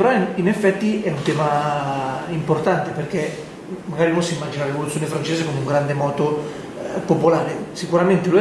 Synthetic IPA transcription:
peɾɔinɛfːɛt̪ːiʔɛunt̪ɛːma | import̪ant̪epeɾkɛ | maɡaːɾinõnsiimːad͡ʒinaɾevolut̪sjoːnefɾant͡ʃeːzekomuŋɡɾand̪emɔːt̪o | popolaːɾesikuɾament̪elu

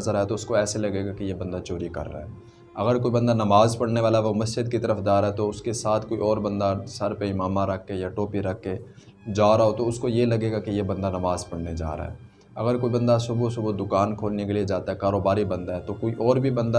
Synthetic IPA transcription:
zəɾaɦɛt̪oʊskoɛːselɐɡeːɡakijebɐ̃nd̪at͡ʃoːɾikɐ̰ɾːa̰ɦɛː | ɐɣəɾkoːibɐ̃nd̪anɐmaːzpɐɽneʋaːlaʋomɐsd͡ʒɪd̪̚kit̪ɐɾəfd͡ʒ̪aːɾaɦɛt̪oʊskesaːt̪ʰkoiɔːɾbɐ̃nd̪asɐɾpeɪmaːmaɾɐkʰːejaʈoːpiɾɐkʰːe | d͡ʒaːɾaɦot̪oʊskojelɐɡeːɡakijebɐ̃nd̪anɐmaːzpɐɽned͡ʒa̰ːɾa̰ɦɛ̰ː | ɐɡəɾkoibɐ̃nd̪asʊbosʊbod̪ʊkaːnkʰoːlnekelied͡ʒaːt̪aɦɛkaːɾoːbaːɾibɐ̃nd̪aɦɛt̪okoiʔɔːɾbʱibɐ̃nd̪a

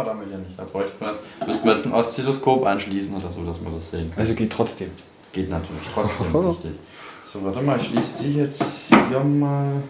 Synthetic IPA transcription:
ɐdamɪtjaːnɪçtd̥aːb̥ʁɔʏçtəmismʏstnmɐjɛt͡sn̩ʔɔst͡seloskʰoːpʔanʃliːsn̩ʔoːdɐzoːdasmḭɐdasz̥eːənkʰʔalzoɡ̥eːtʰːʁ̥ɔt͡sd̥eːm | ɡ̥eːtnatʰyːɐlɪçtʁ̥ɔt͡sd̥eːmʁɪçtɪç | z̥oːvaɐtɪmaːʃliːsd̥iːjɛt͡siɐmaːl

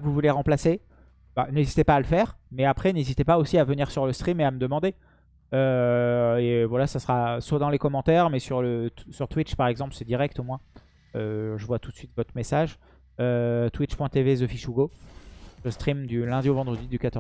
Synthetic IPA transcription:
vuvuleʁɑ̃plase | banezit̪epaːləfɛʁmɛapχɛnezit̪epaosiavəniʁsyʁləst̪χimeaməd̪əmɑ̃d̪e | ø | evwalasasʁaswad̪ɑ̃lekɔmɑ̃t̪ɛʁmɛsyʁləsyʁt̪wit͡ʃpaʁɛɡzɑ̃plsɛd̪iʁɛk̚t̪omwɛ̃ | øʒəvwat̪ut̪sɥit̪vɔt̪χəmesaʒ | øt̪wit͡ʃpwɛ̃t̪evezɔfiʃuɡo | əst̪χimd̪ylɛ̃d̪iovɑ̃d̪ʁəd̪id̪ykat̪ɔʁ

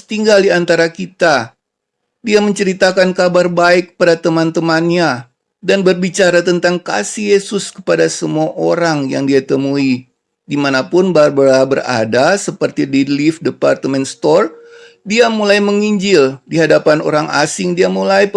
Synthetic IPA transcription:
t̪iŋɡaldiant̪aɾakit̪a | diaməɲt͡ʃəɾit̪akankabarbaɪkːə̥padat̪əmant̪əmanɲa | danbərbit͡ʃaɾat̪ənt̪aŋka̰sihjesʊskə̥padasəmuaʔoɾaŋjaŋdiat̪əmui | dimanapʊnbarbəɾabəra̰dasəpərt̪idilifdəpart̪əmɛnst̪ɔr | diamulajməŋiɲd͡ʒɪldiɦadapano̰ɾaŋʔa̰sɪŋdiamulaj

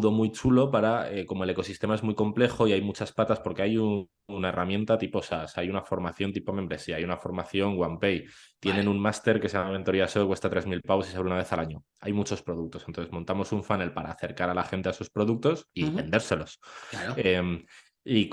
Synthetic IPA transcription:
ðo̞mujt͡ʃulo̞paɾaeko̞mo̞e̞le̞ko̞sist̪e̞mae̞zmujko̞mple̞xo̞iajmut͡ʃaspat̪aspo̞ɾke̞aju | naerʔamjẽ̞nt̪at̪ipo̞sasajunafo̞ɾmaθjo̞nt̪̬ipo̞mẽ̞mbɾe̞siaajunafo̞ɾmaθjo̞ŋɡwampe̞jt̪je̞ne̞nunmast̪e̞ɾke̞saaβe̞nt̪oɾiaso̞ekwest̪at̪ɾe̞zmilpaβosi̥s̬aβɾunaβ̞e̞θalaɲo̞ | a̰jmut͡ʃo̞spɾo̞ð̞uk̚t̪o̞snonθe̞zmont̪amo̞suɱfane̞lpaɾa̰ːθe̞ɾkaɾalaxe̞nt̪eaeso̞spɾo̞ðuk̚t̪o̞sie̞nd̪e̞ɾse̞lo̞s | em | ik

